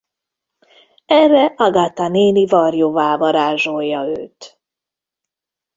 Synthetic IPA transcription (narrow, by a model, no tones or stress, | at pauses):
ɛrːɛʔɒɡat̪aneːnivɒrjovaːvɒɾaːʒojːɒøːt̪